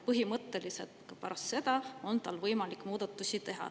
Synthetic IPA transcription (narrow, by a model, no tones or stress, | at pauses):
pɤɦimɤt̪ːeliset̪kɑpæɾɑst̪se̞d̪̥ɑo̞nt̪ɑlvɤjmɑlikmuːd̪̥ɑt̪ˑːusʲit̪e̞ɦɑ̰